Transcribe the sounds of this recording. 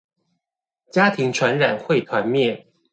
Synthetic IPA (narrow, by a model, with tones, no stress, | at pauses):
t͡ɕja˥t̪ʰi˧˥ŋʈ͡ʂʰwa˧˥nɻa˨˩nxwe˥˩ɪt̪ʰwa˧˥nmjɛ˥˩n